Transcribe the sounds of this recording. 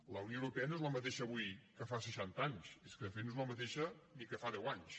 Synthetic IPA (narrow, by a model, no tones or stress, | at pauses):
ləwniowɾupɛənoezləmət̪eʃəːβujkəfasəʃant̪aɲseskəfenoezləmət̪eʃənikəfaðɛwaɲs